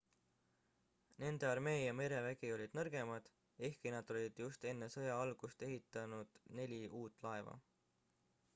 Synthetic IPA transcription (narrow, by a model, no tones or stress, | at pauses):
ne̞nd̪̥e̞ɑrme̞ːjɑme̞ɾe̞væɡ̥io̞lʲid̪̥nɤrɡ̥e̞mɑd̪̥ | e̞hkinɑd̪̥o̞lʲid̪̥just̪e̞nːe̞sɤjɑɑlɡ̥ust̪e̞ɦit̪ːˑɑnud̪̥ne̞lʲiʔuːt̪ːˑlɑe̞vɑ̰